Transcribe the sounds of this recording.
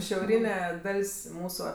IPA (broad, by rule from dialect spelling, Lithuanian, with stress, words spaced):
ʃʲɛʊˈrʲiːnʲɛ ˈdɐlʲsʲ ˈmuːsʊ